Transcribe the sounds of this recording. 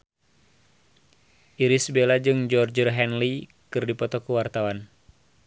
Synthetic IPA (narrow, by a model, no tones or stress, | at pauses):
ʔiɾisbelad͡ʒɨŋd͡ʒɔrd͡ʒərɦɛnli | kɨrdipɔt̪ɔkuwart̪awan